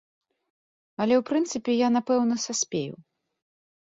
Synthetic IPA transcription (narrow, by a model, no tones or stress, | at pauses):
ɐlʲɛwpɾɨnt̪sɨpʲɛjanapɛwnɐsasʲpʲḛjṵw